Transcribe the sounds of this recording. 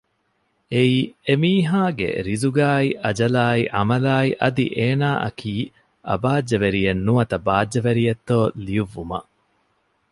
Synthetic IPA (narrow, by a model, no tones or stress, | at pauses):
eiːemiːɦaːɡḛɾizuɡaːiʔɐd͡ʒɐlaːiʔɐmɐlaːiʔɐd̪ḭʔeːnaːʔɐ̰kʰiː | ɐ̰baːd͡ʒd͡ʒːɐʋeɾijenːuɐt̪ɐbaːd͡ʒːɐʋeɾijɐt̪ːoːlijuʋːumɐ̰